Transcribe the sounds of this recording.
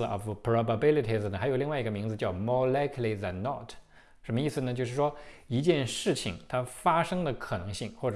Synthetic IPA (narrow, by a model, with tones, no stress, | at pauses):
ɔ̰˨˩fpʰɹɔ˧ba˧bi˥li˧˩t̪ʰi˧˩zə˨˩xa˧˥jo˨˩ʊli˥˧ŋwa˥˩ɪi˧˥ɡə˧mi˧˥ŋd͡zɹ̩˧t͡ɕjɑ˥˩ʊmɔ˥˩la˥ɪkʰli˨˩ðæ˨˩nnɔ˥˧˩tʰ | ʂə˧˥mə˧i˥˩s̩˩nə˩t͡ɕjo˥˧ʂɻ̩˥˩ʂwɔ˥i˧˥t͡ɕjɛ˥˧nʂɻ̩˥˩t͡ɕʰi˨˩ŋt̪ʰa˥fa˥ʂɤ˥ŋd̪ə˨kʰɤ˨˩nɤ˧˥ŋɕi˥˩˧ŋxwɔ˥˩ʈ͡ʂ